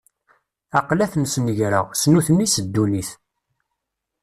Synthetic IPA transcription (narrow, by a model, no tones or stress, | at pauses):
ɑqlæθmsnəʝɾəʁsnuθnisəd̪ːuliθ